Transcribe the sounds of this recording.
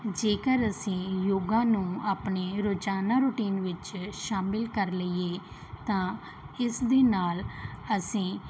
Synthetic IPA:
d͡ʒeːkəɾəsĩːjoːɡãːnũːaːpneːɾoːd͡ʒaːnaːɾʊʈiːnʋɪt͡ʃʃaːmɪlkəɾləieː | t̪ãː | ɪsd̪eːnaːləsĩː

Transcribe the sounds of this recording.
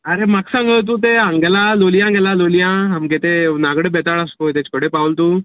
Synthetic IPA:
ɐɾemaksãŋɡɭt̪̬ũːt̪̬eãŋɡlalolijãɡelalolijãɦamɡet̪enaɡɽebɛt̪aɭaskojt̪et͡ɕkəɽepãwlt̪u

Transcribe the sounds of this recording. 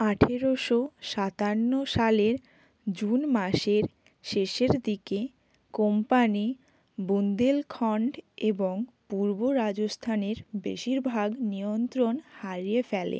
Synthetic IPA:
aʈʰeɾoʃoʃat̪anːoʃaleɾ | d͡ʑunmaʃeɾ | ʃeʃeɾd̪ike | kompani | bund̪elkʰɔɳɖeboŋpuɾboɾad͡ʑost̪ʰaneɾbḛʃiɾbʱaɡnijont̪ɾonhaɾijefɛlḛ

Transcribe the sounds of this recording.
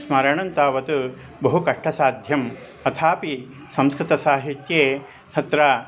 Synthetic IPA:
smɐɾɐɳɐnt̪aːʋɐt̪u | bɐɦukɐʂʈʰɐsaːd̪ʱjɐm | ɐt̪ʰaːpi | sɐ̃mskɾɪt̪ɐsaːɦit̪jeː | t̪ʰɐt̪ɾaː

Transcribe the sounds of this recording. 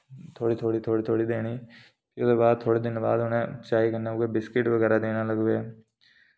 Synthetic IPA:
t̪ʰoːɽiːt̪ʰoːɽiːt̪ʰoːɽiːt̪ʰoːɽiːd̪eːɽ̃iː | pɪʊd̪ebaːd̪̚t̪ʰoːɽeːd̪ɪnbaːd̪ɦʊnẽt͡ʃaːikənːeoɡebɪskɪʈʋəɡɛːɾaːd̪eːñaləɡʋeː

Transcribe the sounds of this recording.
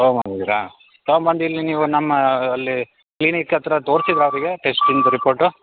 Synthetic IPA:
t̪ɐmbɐnd̪id̪iɾa | t̪ɐɐmbɐnd̪iilːiniːʋunɐmːɐːlːi | klinikɐt̪ɐɾɐt̪o̞ːɾsid̪iɾɐʋɐɾiɡe̞ʈesʈind̪ɾipoːɾʈu

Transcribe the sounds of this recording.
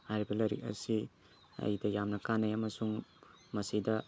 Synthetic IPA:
hajɾibɐlɐɾḭk̚ɐ̰si | ɐ̰jdɐjamnɐkanɐjɐmɐsuŋ | mɐsidɐ

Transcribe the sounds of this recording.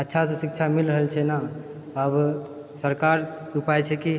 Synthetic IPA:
ətːʃʰasẽsikt͡ʃʰamilɾəɦəlt͡ʃʰɛna | əb | səɾkaɾ | upajt͡ʃʰɛki

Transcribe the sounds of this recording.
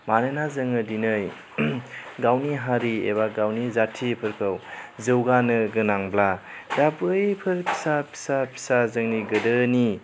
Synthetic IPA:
manenazɯŋɯdinɯj | ɡawniɦaɾiḛbaɡawnizatʰipʰɯɾkʰɯwzɯwɡanɯɡɯnaŋbladabɯjpʰɯɾpʰi̥sapʰi̥sapʰi̥sazɯŋniɡɯdɯni

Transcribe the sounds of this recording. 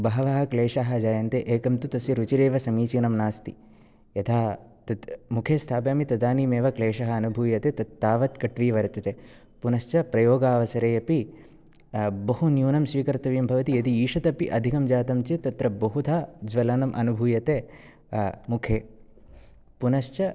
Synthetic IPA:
bɐɦɐʋɐɦɐ̆kleːʂɐɦɐd͡ʒaːjɐnt̪eʔeːkɐmt̪ut̪ɐsiɾut͡ʃiɾeːʋɐsɐmiːt͡ʃiːnɐmnaːst̪i | jɐt̪ʰaː | t̪ɐt̪mukʰeːst̪ʰaːpjaːmit̪ɐd̪aːniːmeːʋɐkleːʂɐɦɐ̆ɐnubʱuːjɐt̪et̪ɐt̪ːaːʋɐt̪kɐʈʋiːʋɐɾɐt̪ɐt̪e | punɐʃt͡ʃɐpɾɐjoːɡaːʋɐsɐɾeːjɐpi | bɐɦunjuːnɐmʃʋiːkɐɾt̪ɐʋijɐmbʱɐʋɐt̪ijɐd̪iiːʂɐt̪ɐpiʔɐd̪ʱikɐmd͡ʒaːt̪ɐmt͡ʃet̪ɐt̪ɾɐbɐɦud̪ʰʱaːd͡ʒʋɐlɐnɐmʔɐ̰nubʱuːjɐt̪e | mukʰeː | punɐʃt͡ʃɐ

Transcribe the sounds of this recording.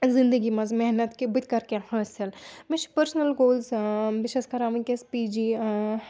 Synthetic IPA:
zɪ̃nd̪əɡimɐzmɛɦnət̪kibɪt̪kɐɾkehɐsɐlmɪt͡ʃpəɾsnəlɡoːlzʋɪʃeskɐɾaːmĩkespiːd͡ʒi

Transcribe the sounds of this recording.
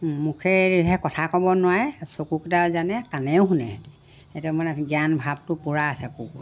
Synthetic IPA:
mukʰɛɹɦɛkɔtʰakɔbɔnʊwajɛsokuktazanɛkanɛʊɦunɛ̰ | etumɔnɛɡijanbʱab̚tʊpuɹaːsɛku

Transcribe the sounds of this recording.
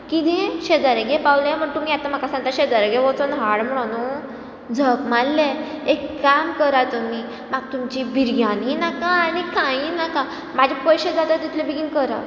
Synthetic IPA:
kit̪ẽɕed͡zaɾeɡepawlem̤əɳt̪umiat̪am̤akasãŋt̪aɕed͡zaɾeɡeʋɔt͡sɔnɦaɽm̤əɽ̃anu | d͡zʱəkmalːeekːamkəɾat̪umiː | maɡ̚t̪umt͡ɕibʱiɾɡaninakãːnikãĩnakã | mad͡ʑʱapɔjɕed͡zat̪at̪it̪ʰlebiɡinkəɾa̰

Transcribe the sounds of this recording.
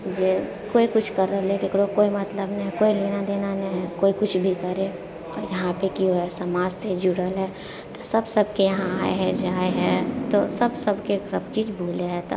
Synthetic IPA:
d͡ʒe | koːikʊt͡ʃʰkɐɾːəɦleɾekʰɽokoːimɐt̪ləbnɐɦĩkoːiliːnad̪eːnanɐiɦɛkoːikʊt͡ʃʰbʱikɐɾe | ɔ̰ːɾjɐɦãpekiɦoɛsɐmaːd͡ʒsed͡ʒuɽəlɦɛː | t̪osɐbsɐb̚ʱkejɐɦãaːḛɦɛd͡ʒaːeɦɛ̃t̪osɐbsɐbkesɐbt͡ʃiːd͡ʒbʱoːleɦɛt̪o̰

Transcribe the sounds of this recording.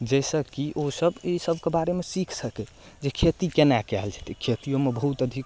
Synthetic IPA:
d͡ʒɛsəkiʔosəbisəbʱkebaɾemesikʰsəkɛ | d͡ʒekʰet̪ikenakɛɦld͡ʒɛt̪ikʰet̪ijomebəɦut̪əd̪ʱik

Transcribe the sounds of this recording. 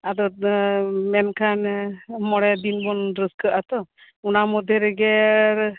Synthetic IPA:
ad̪ɔ | mɛnkʰanmɔɽɛd̪inbɔnɖɾəskəʔat̪ɔ | unamɔd̪ʱjeɾɛɡɛɾ

